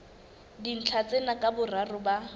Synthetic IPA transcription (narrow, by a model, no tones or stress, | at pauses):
din̩t͡ɬʰat͡sʼenakʼabʊrarʊba